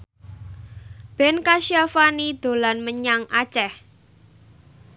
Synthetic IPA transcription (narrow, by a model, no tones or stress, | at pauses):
b̥ɛ̤nkaʃiafanid̪̥o̤lanməɲaŋʔat͡ʃɛh